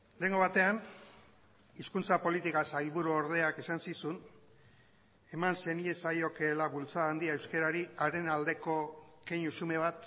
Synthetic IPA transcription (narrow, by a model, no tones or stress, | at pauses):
le̞ːŋɡo̞β̞at̪e̞an | iskunt͡sapo̞lit̪ikasajlβuɾuoɾð̞e̞akesansisun | e̞manse̞nie̞sajo̞ke̞laβult͡saːnd̪iaewske̞ɾaɾiaɾe̞nald̪e̞ko̞keɲusume̞β̞at̪